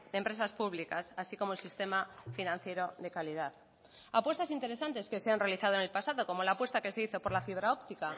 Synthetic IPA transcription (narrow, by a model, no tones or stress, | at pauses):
d̪empɾe̞s̬aspuβlikasasiko̞molsist̪e̞mafinãn̟θje̞ɾo̞ðe̞kalið̞að | apwe̞st̪asint̪e̞ɾe̞sant̪e̞ske̞seanrealiθað̞oene̞lpasaðo̞ko̞mo̞lapwe̞st̪ake̞se̞iθo̞po̞ɾlafiβ̞ɾao̞pt̪ika